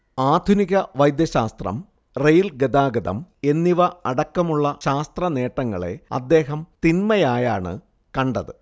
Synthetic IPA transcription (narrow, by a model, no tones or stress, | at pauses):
aːd̪ʱuniɣɐʋɐjd̪jɐɕaːst̪rɐ̰m | rejilɡed̪aːɡɐd̪ɐ̰me̞nːiʋɐɐɽɐkːɐmuɭːɐɕaːst̪rɐne̞ːʈːɐŋːɐɭe̞̰ɐ̰d̪ːe̞ːɦɐmt̪inmɐjaːjaːɳɨ̰ | kɐɳɖɐðɨ